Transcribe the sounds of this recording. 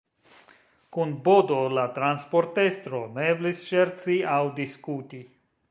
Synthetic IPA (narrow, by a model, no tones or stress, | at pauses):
kunbo̞do̞latɾanspo̞ɾte̞st̪ɾo̞meblisʃe̞ɾt͡siawdiskuti